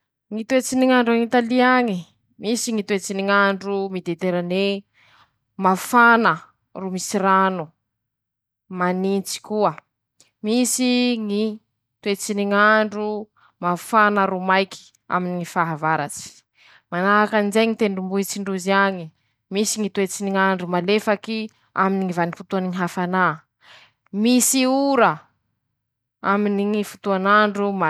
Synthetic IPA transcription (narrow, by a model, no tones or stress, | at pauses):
ŋit̪uet͡siniŋaɳɖ͡ʐaŋit̪aliaŋi | misiŋit̪uet͡siniŋaɳɖ͡ʐumid̪et̪eɾane | mafanə | rumisiɾanu | manint͡si̥kuə | misiŋi | t̪uet͡siniŋaɳɖ͡ʐu | mafanaɾumajki̥ | a̰miniŋifaɦavaɾa̰t͡si̥ | manaɦakanizejŋit̪eɳɖ͡ʐumbuɦit͡siɳɖ͡ʐuziaɲi | misiŋit̪uet͡siniŋaɳɖ͡ʐumalefaki | a̰miniŋivanifut̪uanŋiɦafanaː | misiuɾə | aminiŋifut̪uanaɳɖ͡ʐuma